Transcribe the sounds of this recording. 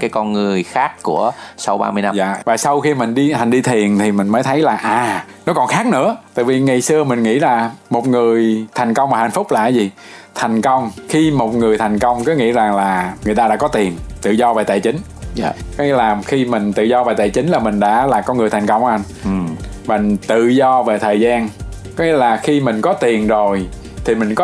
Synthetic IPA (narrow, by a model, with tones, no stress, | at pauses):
kaː˨˦jkɔ˧nŋɨ˨˩əjxaː˦˥kːu˧˩əsa˧wɓa̰ː˧mɨ˧əjna˧a̰ː˧˨vaː˨˩sa˧wxi˧mï˨˩ŋ̟ɗi˧t̪ʰa˨˩ŋ̟ɗi˧t̪ʰi˨˩ənt̪ʰi˨˩mï˨˩ŋ̟məː˨˦jt̪ʰə˨˦jlaː˨˩ʔaː˨˩ | nɔ˨˦kɔ˨˩nxaː˦˥k̚nɨ̰˧˥ət̪a̰ː˧˨vi˨˩ŋa˨˩jsɨ˧əmï˨˩ŋ̟ŋḭ˧˥laː˨˩mo˨˩t̚ŋɨ˨˩əjt̪ʰɛ˨˩jŋ̟kə˧wŋ͡mmaː˨˩ha̰˧˩jn̟fʊ˦˥k͡p̚la̰ː˧˨jzi˨˩ | t̪ʰa˨˩jŋ̟kə˧wŋ͡mxi˧mo˨˩t̚ŋɨ˨˩əjt̪ʰa˨˩jŋ̟kə˧wŋ͡mkɨ˨˦ŋḭ˧˥za˨˩ŋlaː˨˩ŋɨ˨˩t̪aː˧ɗa̰ː˧˥kɔ˨˦t̪i˨˩ənt̪ɨ̰˧˨zɔ˧ve˨˩t̪a̰ː˧˨˩t͡ɕï˨˦ŋ̟ | kɔ˨˦ŋi˧˩˦laː˨˩mxi˧mï˨˩ŋ̟t̪ɨ̰˧˨zɔ˧ve˨˩t̪a̰ː˧˩jt͡ɕï˨˦ŋ̟laː˨˩mï˨˩ŋ̟ɗa̰ː˧˥laː˨˩kɔ˧˦ŋɨ˨˩t̪ʰŋ̟kə˧wŋ͡mʔa˧n | mï˨˩ŋ̟t̪ɨ̰˧˨zɔ˧ve˨˩t̪ʰəː˨˩jzaː˧n | kɔ˨˦ŋi˧˥laː˨˩xi˧mï˨˩ŋ̟kɔ˨˦t̪i˨˩ənzo˨˩j | t̪ʰi˨˩mï˨˩ŋ̟kɔ˨˦